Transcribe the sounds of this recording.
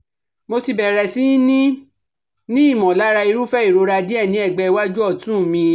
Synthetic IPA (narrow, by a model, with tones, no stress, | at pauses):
mo˧ti˧bɛ˨ɾɛ˨si˨˦nĩ˦ | nĩ˦i˦˨mɔ̃˨la˨˦ɾa˧i˧ɾu˦fɛ˦i˦˨ɾo˧ɾa˧di˦ɛ˦˨nĩ˨˦ɛ˦˨ɡ͡bɛ˧˦wa˦d͡ʒu˦ɔ˦˨tũ˦˨mĩ˧